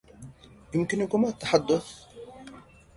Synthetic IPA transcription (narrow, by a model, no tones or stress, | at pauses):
jɪmkɪnkʊmat̪ːaħad̪ːʊθ